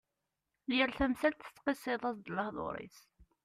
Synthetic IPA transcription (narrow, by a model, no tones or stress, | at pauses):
lɪɾθæmθælt̪θə̥t͡sːqisˤeðˤɑsd̪lːɑhðˤo̰ɾˤḭs